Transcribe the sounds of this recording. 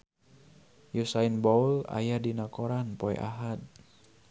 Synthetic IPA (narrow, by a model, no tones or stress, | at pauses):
jusainbɔula̰jadinakɔɾanpɔɛ̰ʔa̰ɦat̪̚